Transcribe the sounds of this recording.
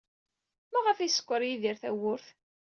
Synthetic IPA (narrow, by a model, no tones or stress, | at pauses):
mæʁəfisə̥kʷːəɾjiðiɾθæwʊɾθ